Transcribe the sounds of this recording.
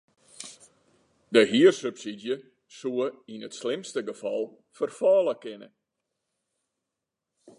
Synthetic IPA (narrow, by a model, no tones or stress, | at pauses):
dəɦiərsøpsidjə | suəinətslɪmstəɡəfɑlˠ | fərfɔːlˠəkɪnə̰